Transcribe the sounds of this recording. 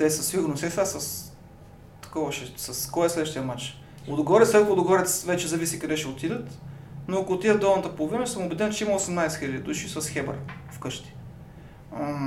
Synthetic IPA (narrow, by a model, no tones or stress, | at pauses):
t̪ɛsəsiɡʊɾnosɛtsasəs | t̪ɐ̥kɔvɐʃɛsɐskɔjɛslɛd̪vəʃt̪ijɐmat͡ʃ | od̪oɡɔɾɛtslɛd̪od̪oɡɔɾɛt̪svɛt͡ʃɛzɐvisikɐd̪ɛʃɛot̪id̪ət̪noɐkoːt̪ːid̪əd̪ɔlˠnət̪əpolˠovinəsəmʊbɛd̪ɛnt͡ʃɛiməosɛmnajsɛ̥xilʲəd̪id̪uʃisəsxɛbə̰ɾfkɤʃt̪i̥